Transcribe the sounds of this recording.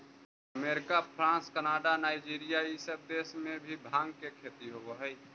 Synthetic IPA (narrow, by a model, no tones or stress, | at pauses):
əmeːɾɪkapʰɾãːskənaːɖanaːɪd͡ʒiːɾijaisəb̚d̪eːsmẽbʱibʱaːŋɡkekʰeːt̪iɦoɦɛi